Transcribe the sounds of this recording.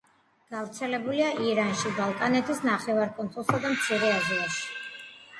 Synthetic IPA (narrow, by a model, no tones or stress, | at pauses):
ɡ̥avɾt̪sʰɛlɛbuliaʔiɾanʃibalˠkʼanɛt̪ʰisnaχɛvaɾkʼɔnt̪ʰulˠsad̪amt̪sʰiɾɛazlˠaʃi̥